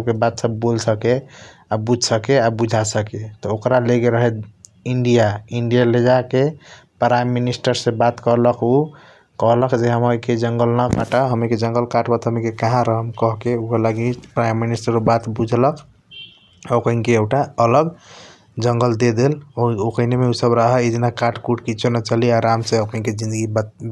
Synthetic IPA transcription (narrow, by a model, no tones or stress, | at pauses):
əbkebat̪səbːolsəke | abud͡ʒʱsəkeabud͡ʒʱasəket̪ɔokɾaleɡeɾəɦet̪ | iɳɖijaiɳɖijaled͡ʒake | pɾajmːinisʈəɾsẽbat̪kəɾləkʰu | kəɦləkd͡ʒeɦəməɦiked͡ʒəŋɡəlnəkaʈaɦəmiked͡ʒəŋɡəlkaʈbat̪ɦəmikekaɦãɾəɦəmkəɦkeukəlaɡipɾajmːinisʈəɾobat̪bud͡ʒʱlək | okəĩnkeekʈaələɡ | d͡ʒəŋɡəld̪ed̪elookəinemeusəbɾəɦəid͡ʒinakaʈkuʈkit͡ʃʰonət͡ʃaliaɾamsẽəpniked͡ʒĩnd̪əɡib̪